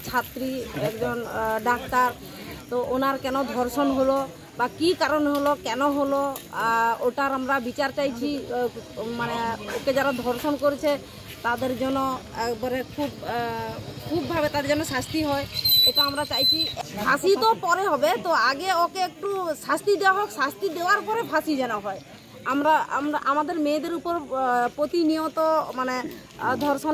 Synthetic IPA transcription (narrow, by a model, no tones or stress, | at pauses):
t͡ʃʰat̪ɾiɛkd͡ʒɔnɖak̚t̪aɾ | t̪ɔʔonaɾkɛnɔd̪ʱɔɾsɔnɦolɔ | bakikaɾɔnɦolɔkɛnɔɦolɔ | oʈaɾamɾabit͡ʃaɾt͡ʃajt͡ʃʰi | maneoked͡ʒaɾad̪ʱɔɾsɔnkɔɾit͡ʃʰe | t̪ad̪eɾd͡ʒɔnɔekbɔɾekʰub | kʰubbʱabet̪ad̪eɾd͡ʒɔnɔsast̪iɦɔeetaamɾat͡ʃajt͡ʃʰibʱasit̪ɔpɔɾeɦɔbet̪ɔaɡeokeek̚ʈusast̪id̪eaɦɔksast̪id̪ebaɾpɔɾebʱasid͡ʒɛnɔɦɔe | amɾa̰mɾaʔamad̪eɾmed̪eɾupɔɾpɾot̪inijɔt̪ɔmane | d̪ʱɔɾsɔn